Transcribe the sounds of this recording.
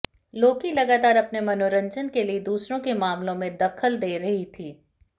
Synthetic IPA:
loːkilɐɡaːt̪aːɾɐpnemɐnoːɾə̃ɲd͡ʒənkelied̪uːsɾõkemaːmlõmẽd̪ɐkʰəld̪eːɾɐɦit̪ʰiː

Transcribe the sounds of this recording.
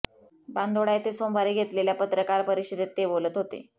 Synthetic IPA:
band̪oɽajet̪esombʱaɾeɡʱet̪leljapət̪ɾəkaɾpəɾiɕid̪ʱet̪ːebolət̪ɦot̪ḛ

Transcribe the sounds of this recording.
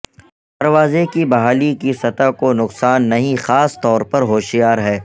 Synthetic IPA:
d̪̥ɐɾʋaːzekibɐɦaːlikisɐt̪akonʊqsaːnːɐɦĩxaːst̪ɔːɾpɐɾɦoːʃijaːɾɦɛː

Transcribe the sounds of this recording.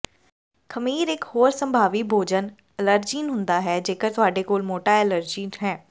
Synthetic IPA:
kʰəmiːɾɪkhoːɾsə̃mbʱaːʋiːbʱoːd͡ʒən | ɛləɾd͡ʒiːnɦʊ̃nd̪aːɦɛːd͡ʒeːkəɾt̪ʊaːɖeːkoːlmoːʈaːɪləɾd͡ʒiːnɦɛː

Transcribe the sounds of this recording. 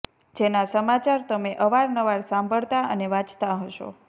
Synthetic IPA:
d͡ʒenasəmat͡ʃaɾt̪əmeʔəʋaɾnəʋaɾsãmbʱəɭt̪aə̰neʋãt͡ʃt̪aɦəʃo̰

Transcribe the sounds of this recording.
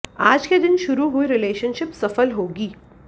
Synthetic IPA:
aːd͡ʒked̪ɪnʃʊɾuɦuiɾɪleːʃənʃɪpsɐfəlɦoːɡiː

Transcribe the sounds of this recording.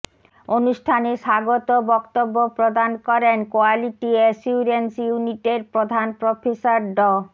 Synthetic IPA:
onuʃʈʰaneʃaɡot̪obɔkt̪obːopɾod̪ankɔɾenkoaliʈieʃuɾensjuniʈeɾpɾod̪ʱanpɾofʰesaɾɖɔ

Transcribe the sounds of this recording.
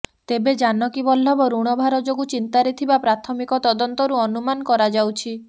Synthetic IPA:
t̪ebed͡ʒanɔkibɔl̤ːɔbɔɾuɽ̃ɔbʱaɾɔd͡ʒoɡut͡ʃint̪aɾet̪ʰibapɾat̪ʰɔmikɔt̪ɔd̪ɔnt̪ɔɾuɔnumanɔkɔɾad͡ʒawt͡ʃʰi

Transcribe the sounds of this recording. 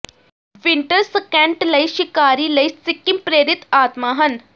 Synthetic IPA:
ʋiɳʈəɾsəkɛ̃ɳʈlɐjʃikaːɾiːlɐit͡sikːimpɾeːɾit̪aːt̪maɦɐn

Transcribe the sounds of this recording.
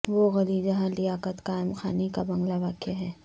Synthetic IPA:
ʋoɣɐɾiːd͡ʒɐɦãlijaːkət̪kaːɪmxa̰ːnikabɐ̃ŋɡlaʋaːkjaɦɛː

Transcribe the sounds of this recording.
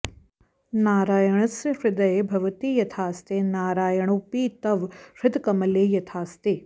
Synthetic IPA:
naːɾaːjɐɳɐsʂɾɪd̪ɐjebʱɐʋɐt̪iːjɐt̪ʰaːst̪eːnaːɾaːjɐɳupiːt̪ɐʋʃɪd̪kɐmɐleːjɐt̪ʰaːst̪eː

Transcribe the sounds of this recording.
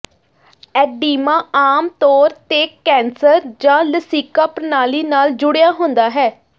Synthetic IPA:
ɛːɖiːmãːaːmt̪ɔːɾt̪eːkɛ̃ːnsəɾd͡ʒãːləsiːkəːpnaːliːnaːld͡ʒʊɽejaːɦʊnd̪aːɦɛː

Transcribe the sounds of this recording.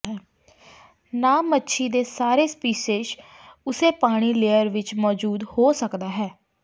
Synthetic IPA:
naːmətːʃʰiːd̪eːsaːɾeːspiːseːʃ | ʊseːpaːɽ̃iːleːəɾʋɪt͡ʃmɔːd͡ʒuːd̪hoːsəkd̪aːɦɛː

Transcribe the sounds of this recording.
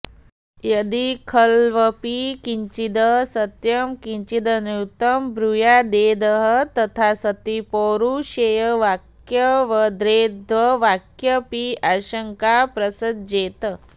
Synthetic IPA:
jɐd̪ikʰəlʋəpikiɲt͡ʃid̪əsət̪jɐmkiɲt͡ʃid̪ənut̪əmbɾujad̪eːd̪əɦət̪ɐt̪ʰasət̪ipoɾuɕejəʋak | jəʋəd̪ɾed̪ʋəʋakjəpiaɕəŋkapɾɐsəd̪̚d͡ʑeːt̪ə

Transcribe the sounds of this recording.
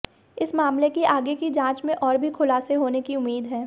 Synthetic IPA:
ɪsmaːmlekiʔaːɡekid͡ʒãːt͡ʃmẽʔɔːɾbʱixʰʊlaːseɦoːnekiʊmːiːd̪ɦɛː

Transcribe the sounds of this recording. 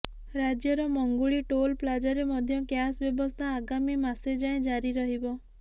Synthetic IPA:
ɾad͡ʒjɔɾɔmɔŋɡuɭiʈolplad͡ʒaɾemɔd̪ʱjɔkjasbjɔbɔst̪ʰaːɡamimased͡ʒaẽd͡ʒaɾiɾɔɦibɔ

